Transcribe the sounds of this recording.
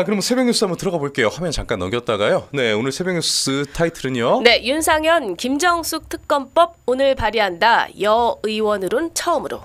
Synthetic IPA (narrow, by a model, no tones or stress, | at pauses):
akɯɾʌmɯnsʰebjeŋjus͈ɯambʌntɯɾʌɡaboɭk͈e̞johamjʌnt͡ɕaŋk͈anːʌɡjʌt̚t͈aɡajone̞onɯɭsʰe̞beŋɲus͈ɯtʰaitʰɯɾɯɲone̞junsʰaŋjʌnkimd͡ʑʌŋsʰuk̚tʰɯk̚k͈ʌnp͈ʌb̚onɯɭpaɾiɦandajʌɯiwʌnɯɾont͡ɕʰʌɯmɯɾo̰